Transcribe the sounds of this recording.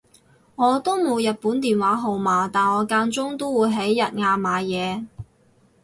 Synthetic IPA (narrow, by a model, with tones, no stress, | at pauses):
ŋɔː˨˧t̪o˥wmo˨˧wjɐ˨t̚puː˨˥nt̪iː˨nwaː˨˥ɦo˨˩wmaː˨t̪aː˨nɔː˨˧kaː˧nt͡sʊ˥ŋt̪o˥wwuː˨˧jɦe˨˥jːɐ˨t̚ŋaː˧maː˨˧jɛː˨˧